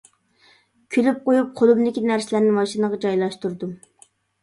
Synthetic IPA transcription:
kʲʰylyp̚qojup̚qʰolˠumd̪ɪkʲinæɾsɪlæɾnɪmɑʃinəʁɑd͡ʒɑjlˠɑʃt̪uɾd̪u

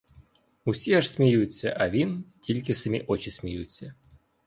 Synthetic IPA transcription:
usʲeʂsʲmʲɪjusʲəʔavʲintʲilʲkʲɪsəmʲiʔot͡ɕɪsʲmʲɪjut͡sʲːə

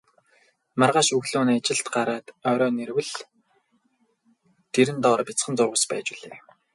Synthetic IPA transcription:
marʁaːʃɵɣɮoːnːat͡ɕɪ̆ɬt̪ɢaɾaːt̪œːɾɔːnerwɘ̆ɮ | t̪ʰeɾɘ̆nt̪ɔːrpʲit͡sχə̆nt͡sʊrʁə̆spæːt͡ɕiɮeː

